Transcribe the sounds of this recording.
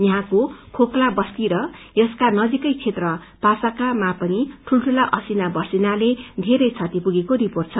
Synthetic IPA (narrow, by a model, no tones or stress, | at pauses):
jʌɦãkokʰoklabʌst̪iɾʌjʌskanʌd͡zikʌjt͡sʰet̪rʌ | pasakamapʌniʈʰulʈʰulaʔʌsinabʌsinaled̪ʱeɾʌjt͡sʰʌt̪ipuɡekoɾiport̪̚t͡sʰʌ